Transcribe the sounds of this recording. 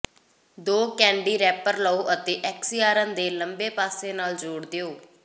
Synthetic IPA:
d̪oːkɛ̃ːɳɖiːɾɛːpəɾləoːʔət̪eːʔɛksijaːɾə̃nd̪eːləmbeːpaːseːnaːld͡ʒoːɽd̪eoː

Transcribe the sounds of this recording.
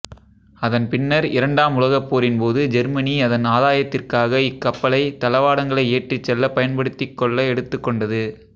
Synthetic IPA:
ɐðɐnpɪnːɐɾɪɾɐɳɖaːmʊlɐɣɐpːoːɾɪnpoːðɯd͡ʒɛɾmɐniɐðɐnaːðaːjɐt̪ːɪrkaːɣɐɪkːɐpːɐlɐɪt̪ːɐlɐʋaːɽɐŋɡɐɭɐɪeːʈrɪt͡ʃːɛlːɐpɐjɐnpɐɽɯt̪ːɪkːɔɭːɐɛɽɯt̪ːɯkːɔɳɖɐðɯ

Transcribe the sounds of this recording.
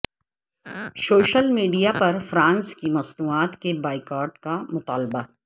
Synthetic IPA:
soːʃəlmiːɖijapɐɾfɾãːnskimɐsnuːaːt̪kebaːɪkaːɾʈkamʊt̪aːlba

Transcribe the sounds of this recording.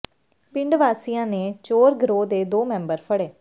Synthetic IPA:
pɪɳɖʋaːsijãːneːt͡ʃoːɾɡɾoːd̪eːd̪oːmɛ̃ːmbəɾpʰəɽeː

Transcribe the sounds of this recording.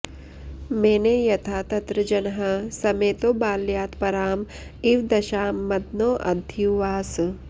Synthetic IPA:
meːnejɐt̪ʰaːt̪ɐt̪ɾɐd͡ʒɐnɐɦɐsɐmeːt̪oːbaːljaːt̪pɐɾaːm | iʋd̪ɐʃaːmːɐd̪noːʔɐd̪ʱuʋaːs

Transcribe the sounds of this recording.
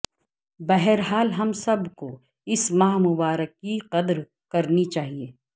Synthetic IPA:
bɛɦɛɾɦaːlɦɐmsɐbko | ɪsmaːɦmʊbaːɾəkːiqɐd̪ɾ | kɐɾnit͡ʃaːɦieː

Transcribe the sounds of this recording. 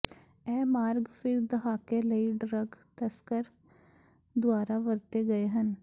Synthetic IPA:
ɛːmaːɾɡpʰɪɾd̪əɦaːkeːləiːɖɾəɡt̪əskəɾ | d̪ʊaːɾaːʋəɾt̪eːɡəeːɦən

